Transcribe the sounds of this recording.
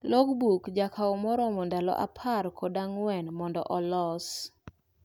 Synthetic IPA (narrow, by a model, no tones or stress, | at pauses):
loɡbukd͡ʒakʰaɔmɔɾɔmɔndalɔ̰ʔa̰pʰarkʰɔdaŋwɛnmɔndɔ̰ʔɔlɔs